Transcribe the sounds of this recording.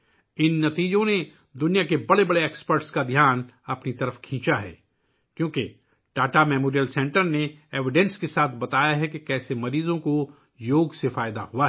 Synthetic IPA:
ɪnːɐt̪iːd͡ʒõne | d̪ʊnijakebɐɽebɐɽeeːkspəɾʈskad̪ʱjaːn | ɐpnit̪ɐɾəfkʰĩːt͡ʃaɦɛ̰ː | kjõːke | ʈaːʈamɛːmoːɾijəlsɛ̃ɳʈəɾneeːʋɪɖɛ̃nskesaːt̪̚ʰbɐt̪aːjaɦɛkekɛːsemɐɾiːzõko | joːɡsefaːɪd̪a̰ɦuaɦ

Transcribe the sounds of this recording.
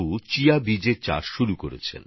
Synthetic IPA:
ut͡ɕiabid͡ʑeɾt͡ɕa̰ʃʃuɾukoɾḛt͡ɕʰḛn

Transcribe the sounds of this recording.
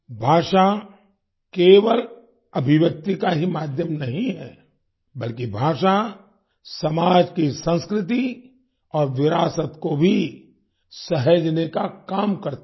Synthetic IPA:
bʱaːʃa | keːʋəl | ɐbʱɪʋjək̚t̪ikaɦimaːd̪ʱjəmnɐɦĩɦɛː | bɐlkibʱaːʃa | sɐmaːd͡ʒkisə̃nskɾɪt̪̬i | ɔːɾʋɪɾaːsət̪kobʱi | sɐɦəd͡ʒnekakaːmkɐɾt̪

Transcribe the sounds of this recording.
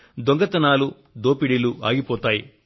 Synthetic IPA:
d̪oŋɡɐt̪ɐnaːlu | d̪oːpiɽilua̰ːɡipɔːt̪aːji

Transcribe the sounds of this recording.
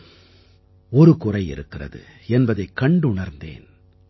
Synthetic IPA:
ɔɾɯkʊrɐɪɪ̰ɾɯkːɪrɐ̰ðɯ̰ | ɛnbɐðɐɪkɐɳɖʊɳɐɾnd̪ḛːn

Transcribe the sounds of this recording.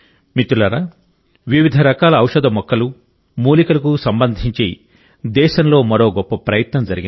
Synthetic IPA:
mit̪ulɐɾɐ | ʋiʋid̪ʱɐɾɐkaːlɐːwʂɐd̪ɐmɔkːɐlu | muːlikɐlɐkusɐmbɐnd̪ʱiɲt͡ʃḛː | d̪ɛːʃɐmlo̞ːmɐɾo̞ːɡɔpːɐpɾɐjɐt̪nɐmd͡ʒɐɾiɡi

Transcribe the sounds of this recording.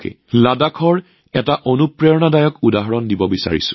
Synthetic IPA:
kḛ | ladakʰɔɹ | ɛtaʔonupɹɛɔnadajɔkudaɦɔɹɔndibɔbisa̰ɹḭsʊ̰̥̃

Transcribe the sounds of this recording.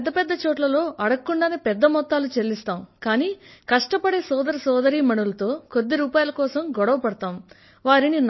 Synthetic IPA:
d̪ːɐpɛd̪ːɐt͡ʃɔːʈlɐlo̞ːʔɐɽɐkːuɳɖaːneːpɛd̪ːɐmɔt̪ːaːlut͡ʃelːist̪aːmkaːniːkɐʂʈɐpɐɽe̞ːsɔːd̪ɐɾɐsɔːd̪ɐɾiːmɐɳulɐt̪o̞ːko̞d̪ːiɾuːpaːjɐlɐkɔːsɐmɡɔɽɐʋɐpɐɽɐt̪aːm | ʋaːɾinin

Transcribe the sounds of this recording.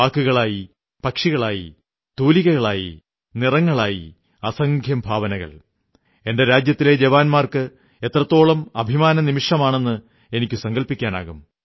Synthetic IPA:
aːkːuɣɐɭaːji | pɐkʂiɣɐɭaːjḭ | t̪uːliɣɐɣɐɭaːjḭ | nirɐŋːɐɭaːjḭ | ɐsɐŋɡʱjɐmbʱaːʋɐnɐɣɐ̰ɭ | e̞nde̞ɾaːd͡ʑjɐt̪ːile̞d͡ʑeʋaːnmaːrkɨ | e̞t̪rɐt̪ːo̞ːɭɐmɐbʱimaːnɐnimiʂɐmaːɳe̞nːɨ | e̞nikʲːɨsɐŋɡɐlpikʲːaːna̰ːɣum

